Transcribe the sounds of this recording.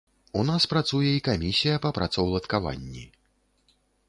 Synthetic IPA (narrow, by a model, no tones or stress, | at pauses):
unaspɾat̪sujɛikamʲisʲijɐpɐpɾat̪sɔwlˠɐt̪kava̰nʲːḭ